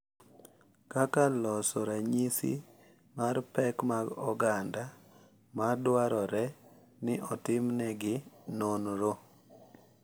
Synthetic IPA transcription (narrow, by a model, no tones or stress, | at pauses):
kakalɔsɔɾaɲisḭ | marpɛkmaɡɔ̰ɡanda | madwaɾɔɾɛ | nɪʔɔtɪmnɛɡɪnonɾo